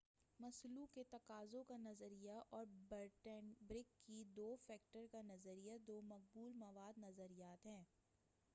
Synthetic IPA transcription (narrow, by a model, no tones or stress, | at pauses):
mɐslukːet̪ɐqaːzõkanɐzəɾijaʔɔːɾbəɾʈənbɾɪkːid̪oːfɛːk̚ʈəɾkanɐzəɾijad̪oːmɐq̚buːlmɐʋaːd̪nɐzəɾijaːt̪ɦɛ̃ː